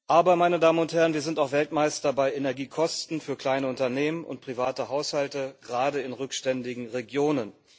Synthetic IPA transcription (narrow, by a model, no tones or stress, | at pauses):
ʔaːbɐmaɪnədaːmənʊnthɛʁənviːɐzɪntaʊxv̥ɛltmaɪstɐbaɪʔenɛɐɡiːkʰɔstn̩fyːɐkʰl̥aɪnəʊntɐneːmənʊ̰nt̚pʁ̥ivaːtəɦaʊshaltəɡ̥əʁaːdəɪnʁʏkʃtɛndɪɡŋ̩ʁeɡjoːnən